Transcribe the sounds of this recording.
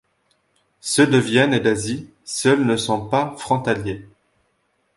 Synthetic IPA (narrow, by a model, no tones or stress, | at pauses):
səd̪əvjɛned̪azi | sœlnəsɔ̃pafχɔ̃t̪alje